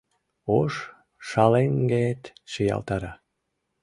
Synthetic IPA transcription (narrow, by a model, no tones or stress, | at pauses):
oʃ | ʃɑleŋɡet̪ʃijɑ̰lt̪ɑɾɑ